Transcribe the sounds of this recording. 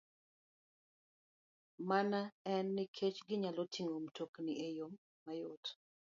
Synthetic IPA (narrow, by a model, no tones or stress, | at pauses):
manaɛnːɪkʰet͡ʃɡɪɲalotʰiŋomtʰokniejomː | ajot